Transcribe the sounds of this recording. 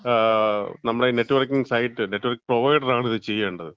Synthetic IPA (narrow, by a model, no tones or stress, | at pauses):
nɐmːɐɽene̞ʈːɨʋɐrkiŋɡsɐjʈːɨneʈːuʋɐrkiŋproʋɐjɖɐraːɳiðɨt͡ɕe̞jːeːuɳɖɐðɨ